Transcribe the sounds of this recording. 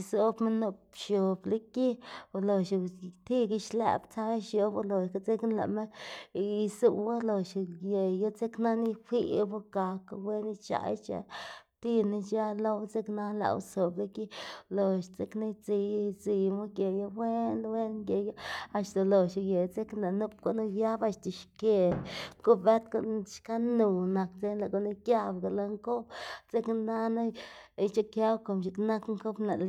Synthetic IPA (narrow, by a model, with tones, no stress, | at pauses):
so˦bme˦no˧pʃo˨bla˦ki˦o˨lo˨ʃt̪i˦ɡi˧ʃlḛ˧˨bt͡sa˦ʃjo˧bo˧lo˨ʃka˧t͡se˦knla̰˨me˦ | i˧su˧wa˦lo˨ʃje˨jo˦t͡se˦kna˦ni˦hʷi˦bo˦ɡa˨ka˧we˦ni˦t͡ʃa̰˨˧˦t͡ʃa̰˧˦t̪i˦ni˧t͡ʃa˦lo˦wt͡se˦kna˦la̰˨˧wso˨bla˦ki˦lo˨ʃt͡se˦kna˦t͡si˧˦d͡zi˨mu˦ɡʲe˨ja˦we˦n˦we˦nɡe˨ja˦a˧ʃt̪a˨lo˨ʃa˧je˨t͡se˦kna˨nu˦p̚ko˦ʔnu˦ja˦ba˧ʃt̪a˨ʃke˨ko˦be˦t̪ko̰˨n˦ʃka˦nu˨na˨kt͡se˦nla˨ɡo˨na˦kja˦bɡa˨la˧ŋko˦bt͡se˦kna˦na˦˨i˦t͡ʃa˦kja˦wko˨mʃi˨kna˦kŋko˦bna˨l